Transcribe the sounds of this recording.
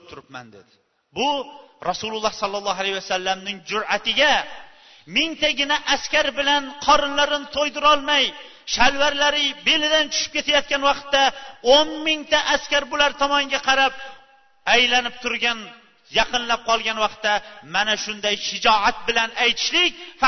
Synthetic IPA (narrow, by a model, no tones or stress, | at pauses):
p̚t̪ʰʊɾɪpma̰nd̪ḛd̪ɪ | bʊɾɒsʊlˠʊlˠːɑhsɒlˠːɑlˠːɑɦalahwasalːamnɪŋd͡ʒʊɾat̪ʰɪɡʲa | mɪŋt̪aɡʲɪnaʔaskʲaɾbɪlanqʰɒɾɪnlaɾɪnt̪ʰojd̪ɪɾɒlˠmaj | ʃalvaɾlaɾɪbe̞lɪd̪ant͡ʃʰʊ̥ʃɪ̥p̚kʲe̞t̪ʰajɒt̪̚kʲanwɑqt̪ːaonmɪŋt̪aʔaskʲaɾbʊlaɾt̪ʰɒmɒŋɡʲaqʰɑɾap̚ | ajlanɪp̚t̪ʰʊɾɡʲan | jɑqʰɨnlap̚qʰɒlˠɡʲanwɑqt̪ːamanaʃʊnd̪ajʃɪd͡ʒɒat̪̚bɪlanajt̪ʰɪ̥ʃlɪk̚ʲf